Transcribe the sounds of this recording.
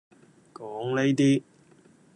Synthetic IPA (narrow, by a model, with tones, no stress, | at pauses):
kɔː˨˥ŋne˥jt̪iː˥